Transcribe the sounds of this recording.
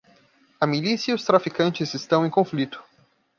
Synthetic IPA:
ɐmilisjɐiʊst̪ɾafikɐ̃nt͡ʃɪzɪst̪ɐ̃w̃ẽj̃kõflit̪ʊ̥

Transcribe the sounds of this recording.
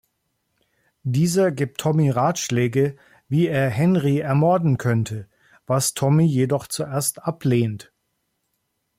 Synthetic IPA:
d̥iːzɐɡiːp̚tʰːɔmiʁaːtʃlɛːɡə | viːeːɐɦɛnʁiɛɐmɔɐdn̩kʰœntʰə | vastʰɔmijedɔχt͡suʔeːɐstʔapleːnt

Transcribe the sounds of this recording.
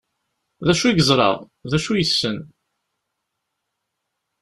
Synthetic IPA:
ðæʃuiɡəzˤɾˤɑ̰ʁ | ðæʃujəsːən

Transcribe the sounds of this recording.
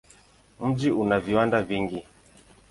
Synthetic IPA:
m̩d͡ʒiunaviwandaviŋɡi

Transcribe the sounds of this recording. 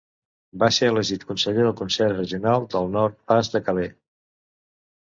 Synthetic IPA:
baseələʒit̪kunsəʎeðəlˠkunsɛɾrəʒiunalˠd̪əlˠnɔɾt̪̚pazd̪əkəle

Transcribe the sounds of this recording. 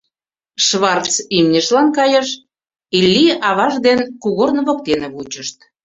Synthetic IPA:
ʃβɑrt͡simnʲəʃlɑnkɑjəʃ | ilʲːiʔɑβɑʒd̪enkuɣornβok̚t̪enĕβut͡ɕəʃt̪̚

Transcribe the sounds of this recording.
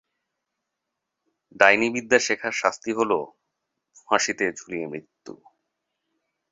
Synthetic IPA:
ɖ̪ajnibid̪ːaʃekʰaɾʃast̪iɦolo | fãʃit̪ed͡ʑʰʱuliemɾit̪ːṵ

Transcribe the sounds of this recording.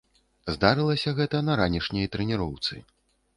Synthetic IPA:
zd̪aɾɨlˠɐsʲɐɣɛt̪ɐnɐɾanʲiʂnʲɐjt̪ɾɛnʲiɾɔwt̪sɨ̰

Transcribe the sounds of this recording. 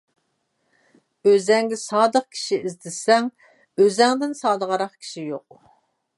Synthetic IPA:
øzɛŋɡʲɪsɑːd̪əq̚kʲʰi̥ʃiizd̪ɪsɛŋ | øzɛŋd̪ɪnsɑːd̪əʁɑɾɑχkʲʰi̥ʃijoq̚

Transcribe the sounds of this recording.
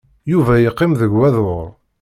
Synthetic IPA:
juvæjəqːɪmðəɡwæðoɾˤ

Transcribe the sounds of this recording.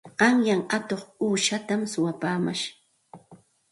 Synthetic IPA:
ɢ̥ɑŋjaŋat̪oχuːʃat̪amsʊwapaːma̰ʃ

